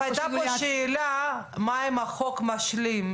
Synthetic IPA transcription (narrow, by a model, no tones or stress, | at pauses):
ajt̪apoʃeːla | maemaχokmaʃlim